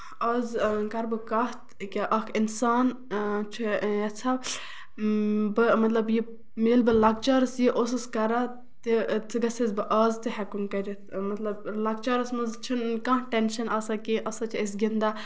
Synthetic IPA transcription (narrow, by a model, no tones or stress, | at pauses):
ɐzkɐɾbɨkaɦt̪kʲiʔɐkʰinsaːn | t͡ʃʰujɐt͡sʰa | bɨmɐt̪lɐbji | meːlbɨlɐk̚t͡ʃaːɾɨsjiʔos̬ɨskɐɾa | t̪et͡sʰɨɡɐsizbɨʔɐːzt̪ɨɦɛkumkɐɾʲit̪ʰmɐt̪lɐblɐk̚t͡ʃaːɾɨsmɐzt͡ʃʰinkãɦʈenʃɐnɐsakiʔɐsat͡ʃʰiɐsɡʲind̪a